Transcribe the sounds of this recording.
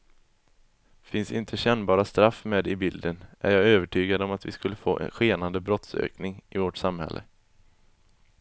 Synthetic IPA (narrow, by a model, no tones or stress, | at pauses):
fɪnsɪnt̪ʰəɕɛnːbɑːɾast̪ɾafːmeːd̪ɪbɪld̪ənʔæ̰ɾjɑːɡøːvəʈʰyːɡad̪əɔmat̪vɪskɵlːəfo̰ːʔɛ̰nɧeːnand̪əbɾɔt̪sø̰ːknɪŋʔɪvoʈsamhɛ̰lːʔə̰